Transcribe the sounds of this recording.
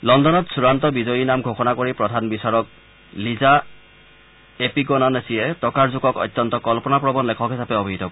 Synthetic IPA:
lɔndɔnɔtsuɹantɔbizɔjinamɡʱoxɔnakoɹipɹɔdʱanbisaɹɔk̚ | liza | epiɡɔnɔnesijɛtɔkaɹzuɡɔkɔ̰jt̪ːɔntɔkɔlpɔnapɹɔbɔnlɛkʰɔkɦisapɛɔbʱiɦitɔ

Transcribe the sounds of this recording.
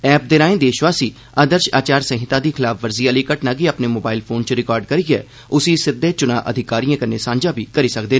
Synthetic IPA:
ɛːp̚d̪eːɾãːẽːd̪eːʃʋaːsiː | aːd̪əɾʃa̰ːt͡ʃaːɾsə̃ɦɪt̪ãːd̪iːkʰɪlaːpʰʋəɾziːjaːliːkəʈnaːɡiapneːmoːbaːɪlpʰoːnt͡ʃɾɪkɔːɾɖkəɾiːɡɛ̰ː | ʊsiːsɪd̪ʱːeːt͡ʃʊnã̰ːʔə̰d̪ʱɪkaːɾijãːkəneːsãːɲd͡ʒaːbiːkəɾiːsəkd̪eː

